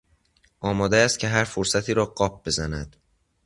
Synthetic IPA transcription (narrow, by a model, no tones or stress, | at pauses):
ʔɒːmɒːd̪eæːst̪̚cʰe̞ɦæɾfoɾsæt̪ʰiːɾɒːɢɒːp̚be̞zænæd̪̥